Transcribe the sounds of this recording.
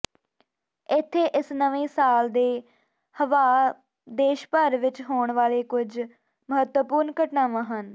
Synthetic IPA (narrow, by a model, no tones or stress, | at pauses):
ɪt̪ʰːeːʔɪsnəʋẽːsaːld̪eː | həʋaː | d̪eːʃpəɾʋɪt͡ʃɦoːɳʋaːleːkʊd͡ʒ | məɦət̪ʋəpʊːɾnkəʈnaːʋãːɦən